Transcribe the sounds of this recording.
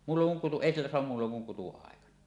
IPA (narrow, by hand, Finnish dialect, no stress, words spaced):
muːlːoŋ kuŋ kutu eˑi silːæ soɑm muːlːoŋ kuŋ kutuɑˑekɑnɑ